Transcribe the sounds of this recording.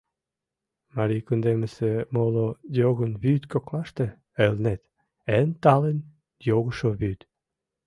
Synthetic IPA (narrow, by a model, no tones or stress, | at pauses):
mɑɾijkund̪eməsemolojoɣənβyt̪koklɑʃt̪ĕ | elnet̪ | ent̪ɑlen | joɣəʃoβyt̪